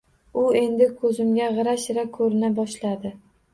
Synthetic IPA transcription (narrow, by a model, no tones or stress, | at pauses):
ʊe̞nd̪ɪkʰɵzɪmɡʲaʁɨɾaʃɪɾakʰːɵɾɪnabɒʃlad̪ɪ